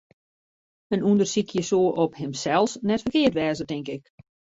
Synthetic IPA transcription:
ənundərsikʰjəsoːʔɔphɪmsɛlˠsnɛtfərkɪərtʋɛːzətɪŋkɪk

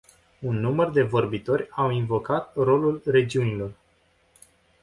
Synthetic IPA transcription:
unːumərd̪e̞vo̞rbit̪o̞ɾʲawinvo̞kat̪ro̞lulre̞d͡ʒiunilo̞r

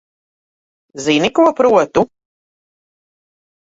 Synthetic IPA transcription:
zinikuɔpɾuɔt̪u

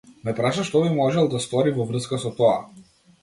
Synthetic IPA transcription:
mɛpɾaʃaʃt̪ɔbimɔʒɛlˠd̪ast̪ɔɾivɔvɾr̩skasɔt̪ɔa

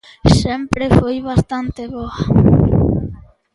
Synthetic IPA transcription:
sempɾefojβast̪ant̪eβoa

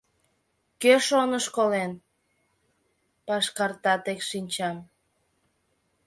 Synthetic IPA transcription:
køʃonəʃkolen | pɑʃkɑrt̪ɑt̪ekʃinʲt͡ɕɑm

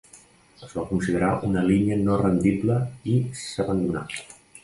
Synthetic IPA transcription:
əzβakunsiðəɾaʔunəliɲiənorənd̪ibləisəβənd̪una̰

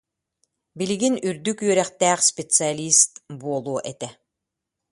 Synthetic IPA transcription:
biliɡinyɾd̪ykyœɾɛχt̪æːχspʲet̪sɨalʲist̪buɔlˠuɔʔɛt̪ɛ

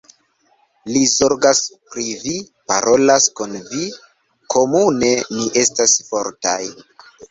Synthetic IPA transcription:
lizo̞ɾɡaspɾivi | pa̰ɾo̞laskunvi | kʰo̞mune̞miʔe̞stasfo̞ɾta̰j

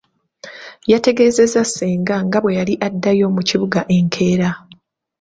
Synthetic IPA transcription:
jate̞ɡe̞ːze̞zaseːŋɡaŋɡaβwe̞jaliʔadːajo̞ːmuciβuɡaʔe̞ŋkʰe̞ːɾa

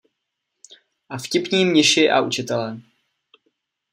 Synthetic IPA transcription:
ʔafcɪpɲiːmɲɪʃɪʔa̰ut͡ʃɪt̪ɛlɛ

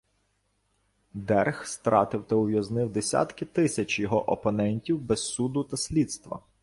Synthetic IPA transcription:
d̪ɛrxst̪ɾɑ̰t̪ɪwt̪ɐʊʋʲjɐznɪwd̪esʲa̰t̪kɪt̪ɪsʲɐt͡ʃjɔɦɔʔɔpɔnɛnʲtʲiwbɛssud̪ʊt̪ɐsʲlʲid̪st̪ʋɐ̰

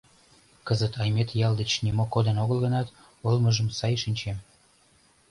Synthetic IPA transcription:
kəzət̪ɑjmet̪jɑld̪ət͡ɕnimokod̪ənoɣəlˠɣənɑt̪ | əlməʒəmsɑjʃinʲt͡ɕem

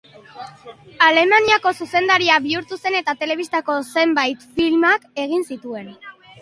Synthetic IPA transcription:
ale̞maniako̞suse̞nd̪aɾiaβiuɾt̪use̞ne̞t̪at̪e̞le̞β̞ist̪ako̞se̞mbajt̪filmake̞ɣ̞insit̪ue̞n

